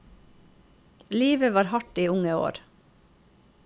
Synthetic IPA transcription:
liːʋəʋɑːɾhɑʈiːʊŋəo̰ːɾ

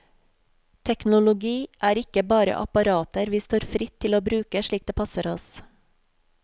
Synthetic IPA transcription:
t̪ʰɛknʊlʊɡiːʔæːɾɪkəbɑːɾə̰ʔɑ̰pɑɾɑːt̪əɾʋiːst̪oːɾfɾɪt̪ʰːɪloːbɾʉːkəʃɭiːk̚d̪eːpʰɑsəɾɔs

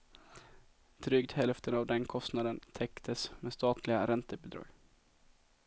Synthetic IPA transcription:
d̪̥ɾʏɡt̪hɛlft̪ʰənavd̪ɛnkʰɔst̪nad̪ənt̪ʰɛkt̪ʰəsmeːst̪ɑːt̪ʰlɪɡaɾɛnt̪əbɪd̪ɾɑ̰ːɡ

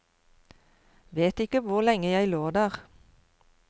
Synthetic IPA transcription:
ʋeːt̪ɪkəʋʊʁlɛŋəjæɪloːd̪æːʁ

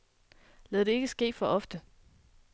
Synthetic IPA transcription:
lɛðˠd̥e̝e̝ɡ̥əsɡ̥e̝̰ːd̥fɒ̽ʔɒ̽fd̥ə

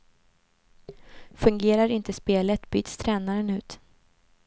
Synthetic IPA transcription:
fɵŋɡeːɾaɾɪnt̪əspeːlət̪by̰ːt̪st̪ʰɾɛːnaɾənʉ̟ːt̪

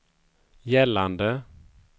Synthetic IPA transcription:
jɛland̪ə

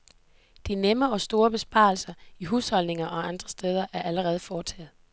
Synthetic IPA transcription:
d̥inemɐɒ̽sd̥o̝ːɐb̥e̝sb̥ɑ̰̈ːlsɐiɦuːshɒ̽lne̝ŋɐʔɒ̽ɑ̈nd̥ʁɐsd̥eːð̞ˠɐʔæɐʔæləʁɛːð̞̩ˠfɒːt͡sʰɛ̰ːð̩ˠ

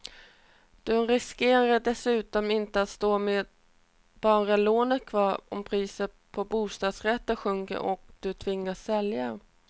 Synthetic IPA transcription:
d̪̥ɵɾɪskeːɾaɖɛsʉ̟ːt̪ɔmɪnt̪əat̪st̪oːmeːd̪ | b̥ɑːɾaloːnət̪kʰvɑːɾɔ̰mpʰɾiːsət | pʰɔbuːst̪ɑːd̪sɾɛt̪ːəɧɵŋkə̰ɾʔɔ̰k̚d̪̥ɵt̪ʰvɪŋːasːɛlja

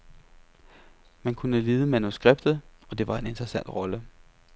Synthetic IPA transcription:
mænkʰunəle̝ːðˠəmænusɡ̥ʁeb̥̚d̥ð̞̩ˠɒ̽d̥e̝ʋɑ̈e̝ne̝nd̥ʁɐsæn̰d̥ʁɒ̽lə

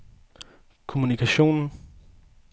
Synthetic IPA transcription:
kʰo̝munikʰæɕo̝̰ːnn̩

